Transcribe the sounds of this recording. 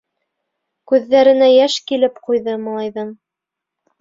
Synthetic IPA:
kʉðːæɾɘ̆næjæʃkilɘpqujðɤmɑ̆lˠɑjðɑn

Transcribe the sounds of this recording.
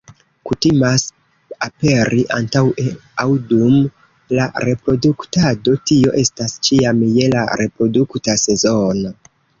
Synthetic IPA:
kutimas | ape̞ɾʔiʔantaweawdum | la̰ɾe̞pɾo̞duktado̞tio̞ʔe̞stast͡ʃiamje̞la̰ɾe̞pɾo̞duktase̞zono

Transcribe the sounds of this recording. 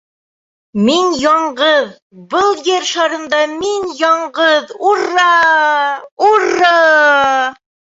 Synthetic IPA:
minjɒɴɢɤð | bɤlˠjɘɾʃɑɾɤ̆nd̪ɑminjɒɴɢɤðuɾːɑ | urːɑ

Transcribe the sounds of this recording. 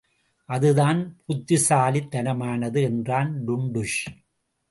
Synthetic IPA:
ʔɐðɯðaːnpʊt̪ːɪsaːlit̪ːɐnɐmaːnɐðɯɛndraːnɖʊɳɖʊʂ

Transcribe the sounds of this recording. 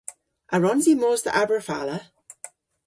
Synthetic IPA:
ʔaɹɔnzimoːzdə̰ʔabəɹfa̰lə

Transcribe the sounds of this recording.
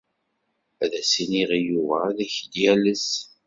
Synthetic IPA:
æðæsiniʁijuvæðæçd̪jæləs

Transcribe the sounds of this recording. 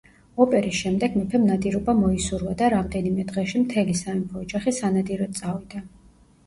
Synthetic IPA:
ɔpʼɛɾisʃɛmd̪ɛɡmɛpʰɛmnad̪iɾɔbamɔisuɾvad̪aɾamd̪ɛnimɛd̪ʁɛʃimt̪ʰɛlisaimpʰɔːd͡ʒaχisanad̪iɾɔt̪sʼavid̪a

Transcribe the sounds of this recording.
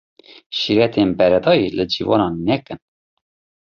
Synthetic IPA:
ʃiɾɛt̪ʰeːnbɛɾɛd̪ɑːjiləd͡ʒivɑ̰nɑːnːɛkɨn

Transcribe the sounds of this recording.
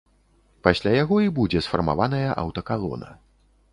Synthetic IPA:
pasʲlʲajaɣɔibud͡zʲɛsfɐrma̰vanɐjɐʔɐ̰wt̪ɐkalˠɔ̰nɐ̰

